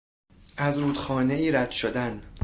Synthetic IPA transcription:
ʔæzɾuːd̪xɒːne̞iːɾæd̪̥ʃod̪æn

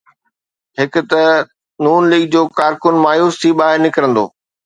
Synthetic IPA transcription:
ɦɪkʊ̆t̪ɐ | nuːnliːɡ̚d͡ʑoːkaːɾkʊnmaːjuːst̪ʰiɓaːɦɪɾnɪkɾə̃nd̪o̰ː

